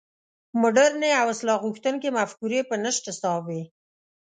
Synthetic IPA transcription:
mʊɖaɾneawɪslɑɣuxt̪ənkemafkuɾepənəʃʈ̪ɪsɑwi

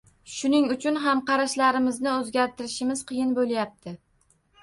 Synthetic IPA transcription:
ʃʊnɪŋʊt͡ʃʰʊnɦamqɑɾaʃlaɾɪmɪznɪɵzɡʲaɾt̪ʰɪɾɪʃɪmɪz̥qʰɨjɪnbolˠjap̚t̪ʰɪ

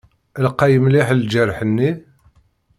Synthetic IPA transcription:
əlqːæjəmliħəld͡ʒæɾħənːi

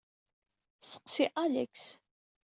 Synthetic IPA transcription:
sə̥qsiʔalæ̰ks

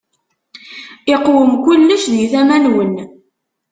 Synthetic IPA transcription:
ɪqːwəmkʷulːəʃðiθæmænwən

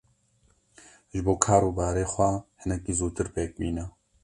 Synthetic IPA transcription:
ʒɪboːkʰaːɾuːbaːɾeːxʷɛhɨnɛkiːzuːt̪ɨɾpeːk̚miːnɛ

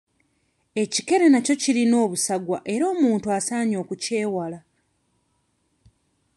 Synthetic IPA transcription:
e̞cike̞ɾe̞naco̞cilino̞ːβusaɡwaʔe̞ɾo̞ːmuːntuasaːɲo̞ːkuce̞ːwala

